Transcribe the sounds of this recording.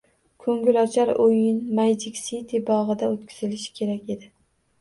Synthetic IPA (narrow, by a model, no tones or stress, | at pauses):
kʰɵŋɡʲʊlɒt͡ʃʰaɾojɪnmajd͡ʒɪkʲsit̪ʰɪbɒʁɨd̪aot̪kʲʰʊ̥z̥ɪlɪʃɪ̥kʲʰe̞ɾakʲe̞d̪ɪ